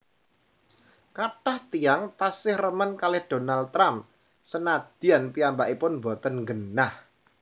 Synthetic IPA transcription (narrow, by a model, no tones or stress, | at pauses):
kaʈaht̪ijaŋt̪asɪhrəmənkalɛhd̪̥o̤nalt̪ɾam | sənad̪̥i̤anpiambaʔipʊnmbot̪ənŋɡənah